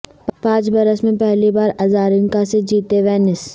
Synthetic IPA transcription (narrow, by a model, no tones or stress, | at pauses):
ppãːt͡ʃbɐɾəsmẽpɛɦlibaːɾɐzaːɾɪ̃ŋkased͡ʒiːt̪eʋɛːnɪs